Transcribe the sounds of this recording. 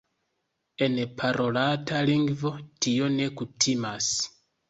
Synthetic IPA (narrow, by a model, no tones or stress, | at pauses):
e̞npʰaɾo̞latʰaliŋɡvo̞tio̞ne̞kutʰimas